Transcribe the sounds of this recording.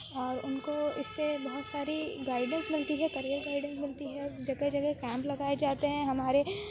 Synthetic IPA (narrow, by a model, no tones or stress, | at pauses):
ɔːɾʊnkoɪsːebɐɦʊt̪saːɾiɡaːɪɖə̃nsmɪlt̪iɦɛkɐɾijəɾɡaːɪɖə̃nsmɪlt̪iɦɛd͡ʒɐɡed͡ʒɐɡekɛ̃ːmplɐɡaːed͡ʒaːt̪eɦɛ̃ɦɐmaːɾe